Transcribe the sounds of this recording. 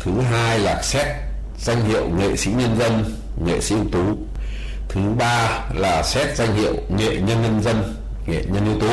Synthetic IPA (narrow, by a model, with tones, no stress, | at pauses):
t̪ʰɨ˨˦ɦaː˧jlaː˨˩sɛ˦˥t̚ | z̥a˧jŋ̟hḭ˧˨əwŋḛ˧˨sḭ˧˥ɲə˧nzə˧n | ŋḛ˧˨sḭ˧˥i˧wt̪u˨˦ | t̪ʰɨ˨˦ɓaː˧laː˨˩sɛ˦˥t̚za˧jŋ̟hḭ˧˨ə˨wŋḛ˧˨ɲə˧nɲə˧nzə˧n | ŋḛ˧˨ɲə˧nʔi˧əwt̪u˨˦